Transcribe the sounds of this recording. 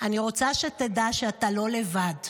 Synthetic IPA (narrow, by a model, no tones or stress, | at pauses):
aniʁo̞t͡saʃetedaʃeatalo̞levad